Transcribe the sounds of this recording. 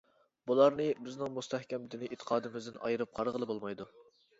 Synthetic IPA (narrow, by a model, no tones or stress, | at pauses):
bulˠɑɾnɨbɪznɪŋmust̪ʰɛhkʲɛmd̪ɪnɪʔet̪ʰə̥qʰɑːd̪ɨmɪzd̪ɪnʔɑ̰jɨɾɨp̚qʰɑɾʁəlˠɨbolˠmɑjd̪u